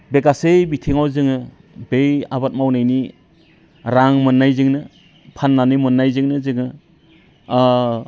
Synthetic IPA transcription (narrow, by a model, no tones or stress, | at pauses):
beɡasejbitʰiŋawzɯŋɯ | bejabat̚mawnajni | ɾaŋmɯnːajzɯŋnɯ | pʰanːanɯjmɯnːajzɯŋnɯzɯŋɯ